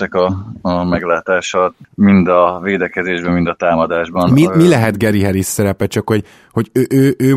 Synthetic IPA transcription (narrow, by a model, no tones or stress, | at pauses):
ɛkɒːmɛɡlaːt̪aːʃɒt̪mind̪ɒveːd̪ɛkɛzeːʒbɛmind̪ɒt̪aːmɒd̪aːʒbɒnmimilɛɦɛd̪ɡɛɾiɦɛɾisːɛɾɛpɛt͡ʃɒkho̞ɟ | ho̞ɟøʔøːʔøː